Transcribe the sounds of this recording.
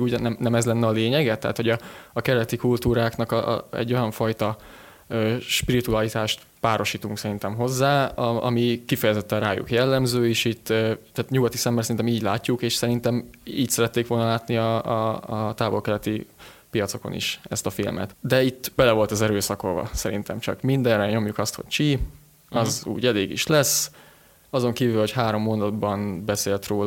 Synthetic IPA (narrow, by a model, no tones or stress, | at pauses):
uːɟnɛmnɛmɛzlɛnːɛɒleːɲɛɡɛt̪ɛ̰ɦːt̪ho̞ɟɒɒkɛɾɛt̪ikult̪uːɾaːknɒkɛ̰ɟːo̞jɒɱfɒjt̪ɒ | øːʃpiɾit̪ualit̪aːʃt̪ | paːɾo̞ʃiːt̪uŋksɛɾint̪ɛmɦo̞zːaːɒɒ̰mikifɛjɛzɛt̪ːɛraːjṵkjɛlːɛmzøːeːʃit̪ːøaːt̪ɲuɡɒt̪isɛmːɛsɛɾint̪ɛmiːɟlaːcːukeːʃsɛɾint̪ɛmḭːcsɛɾɛt̪ːeːkʋo̞lnɒlaːt̪niɒ | t̪aːvo̞lkɛlɛt̪ipijɒt̪so̞ko̞̰nḭʃɛst̪ɒfḭlmʔɛ̰t̪d̪ɛit̪ːbɛlɛvo̞lt̪ɒzɛɾøːsɒkolvɒ̰sɛɾḭnt̪ɛmt͡ʃɒ̰kmind̪ɛnrɛɲo̞mjukɒst̪ho̞̰ct͡ʃi | ɒzṵːɟɛleːɡḭʃlɛsː | ɒzo̞ŋkiːvylho̞chaːɾo̞mːond̪ɒd̪bɒnbɛseːlt̪roːl